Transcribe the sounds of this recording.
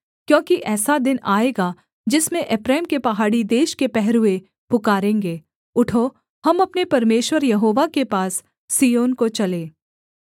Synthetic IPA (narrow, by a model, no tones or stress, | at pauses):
kjõːkiʔɛːsad̪ɪnaːeːɡa | d͡ʒɪsmẽʔɛpɾɛːmkepɐɦaːɽid̪eːʃkepɛɦɾʊe | pʊkaːɾẽːŋɡeː | ʊʈʰo | hɐmɐpnepɐɾmeːʃwəɾjɐɦoːʋakepaːsː | ijoːnkot͡ʃɐleː